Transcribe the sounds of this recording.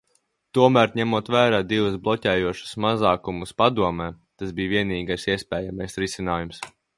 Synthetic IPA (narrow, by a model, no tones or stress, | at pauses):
t̪uɔmæɾɲæmuɔt̪væːɾaːd̪ivusblˠɔcɛːjuɔʃu̥smazɑːkumuspad̪uɔmɛː | t̪asbiːvʲiɛniːɡajsiɛspɛːjamajsɾisinaːjums